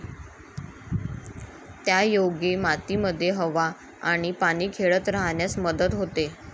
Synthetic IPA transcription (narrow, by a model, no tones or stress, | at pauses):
t̪jajoɡiːmat̪iːməd̪ʱːjeɦəʋaː | ɽ̃ipaɽ̃iːkʰeɭət̪ɾaɦɳjasməd̪ət̪ɦot̪e